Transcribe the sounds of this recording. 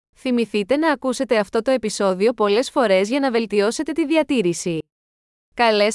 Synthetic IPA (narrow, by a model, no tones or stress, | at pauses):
θimiθit̪e̞nɐːkuse̞t̪e̞ɐft̪o̞t̪o̞e̞piso̞ðio̞po̞le̞sfo̞ɾe̞zʝɐnɐve̞lt̪io̞se̞t̪e̞t̪iðiɐt̪iɾisi | kɐle̞s